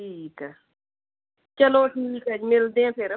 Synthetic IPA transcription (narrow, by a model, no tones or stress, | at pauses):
ʈʰiːkə | t͡ʃəloʈʰiːkəd͡ʒmɪld̪ẽpʰɪɾ